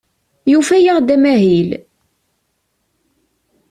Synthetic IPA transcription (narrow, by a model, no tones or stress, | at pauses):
jufæjəʁd̪æmæɦil